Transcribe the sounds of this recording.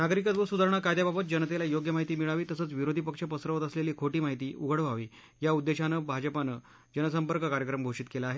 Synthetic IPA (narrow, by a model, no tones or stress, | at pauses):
naɡɾikət̪ʋəsud̪ʱaɾɳ̃akajd̪jababət̪̚d͡ʑənət̪elajoɡjəmaɦit̪iːmiɭaʋiːt̪əsət͡sʋiɾod̪ʱipəkʂapəsɾəʋət̪əsleliːkʰoʈiːmaɦit̪iːʔuɡʱəɽʋaʋiː | jaud̪ːeɕanəbʱad͡ʑəpanə | d͡ʑənəsəmpəɾkəkaɾjəkɾəmɡʱoʂiːt̪kelaːɦe